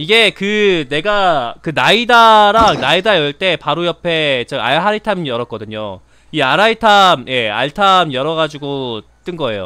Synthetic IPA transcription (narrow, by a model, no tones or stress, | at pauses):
iɡe̞kɯne̞ɡakɯnaidaɾaŋnaidajʌɭt͈e̞paɾojʌpʰe̞t͡ɕaɡa̰ɦaɾitʰamjʌɾʌk͈ʌdɯɲo | iaɾaitʰamje̞a̰ɭtʰamjʌɾʌɡad͡ʑiɡot͈ɯnɡʌe̞̰jo̰